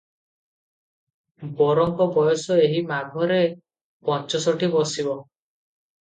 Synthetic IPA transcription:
bɔɾɔŋkɔbɔjɔsɔeɦimaɡʱɔɾe | pɔnt͡ʃɔsɔʈibɔsibɔ

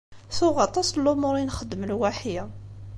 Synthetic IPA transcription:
θʊʁɑt̪ˤɑslːʊmʊɾˤinxəd̪ːəməlwaħjæ

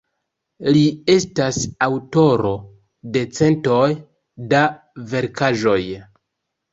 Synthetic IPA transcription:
lie̞stasawto̞ɾo̞ | de̞t͡se̞nto̞j | da | ve̞ɾkaʒo̞j

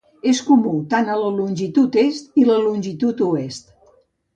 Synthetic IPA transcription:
eskumut̪anələlunʲʒit̪ut̪est̪iləlunʲʒit̪ut̪uest̪

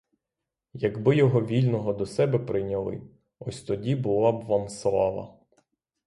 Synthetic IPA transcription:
jɐɡbɪjɔɦɔʋʲilʲnɔɦɔd̪ɔsɛbɛpɾɪnʲɐlˠɪ̰ | ɔsʲt̪ɔdʲibʊlˠɑbʋɑmslˠɑʋɐ̰

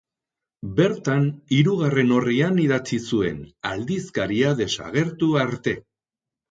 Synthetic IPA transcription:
be̞ɾt̪aniɾuɣ̞are̞no̞rianiðat͡sisue̞̰na̰ld̪iskaɾiaðe̞sa̰ɣ̞e̞ɾt̪uaɾt̪e̞

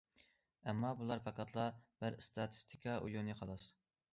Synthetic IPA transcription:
ɛmːɑbulˠɑɾpʰɛkʰɑt̪ʰlˠɑb̥ɪɾst̪ʰɑt̪ʰɨ̥st̪ʰi̥kʲʰɑʔṵjunɨqʰɑlˠɑs

